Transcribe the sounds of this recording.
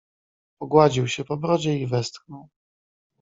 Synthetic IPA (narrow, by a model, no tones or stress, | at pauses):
pɔɡwad͡ʑiwɕɛpɔbɾɔd͡ʑɛivɛst̪xnɔw